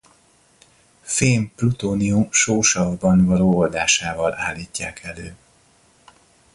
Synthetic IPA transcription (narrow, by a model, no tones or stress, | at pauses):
feːmplut̪oːniumʃoːʃɒvbɒnvɒloːold̪aːʃaːvɒla̰ːlːiːcːaːkʰɛløː